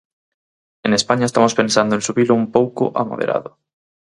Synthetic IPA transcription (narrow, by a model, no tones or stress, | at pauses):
eŋespaɲaest̪amospẽnsand̪oẽnsuβilʊumpowkʊ̰ʔa̰ma̰ðḛɾʔa̰ðʊ